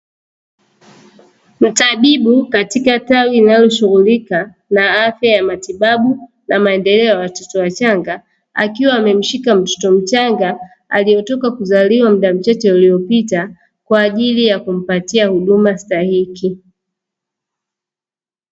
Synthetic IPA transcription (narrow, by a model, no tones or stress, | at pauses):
m̩taɓiɓukatikatawilinalɔʃuɣulika | naafjajamatiɓaɓu | namaɛndɛlɛɔjawatɔtɔwat͡ʃaŋɡa | a̰kiwaːmɛm̩ʃikam̩tɔ̥tɔm̩t͡ʃaŋɡa | a̰lijɔtɔkakuzaliwam̩ɗam̩t͡ʃat͡ʃɛulijɔpita | kwaːʄilijakum̩patiahuɗumastahiki